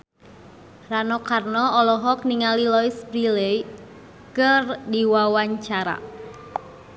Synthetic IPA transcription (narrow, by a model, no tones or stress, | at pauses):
ranɔkarnɔɔlɔɦɔk̚niŋalilɔisbɾilej | kɨrdiwawaɲt͡ʃaɾa̰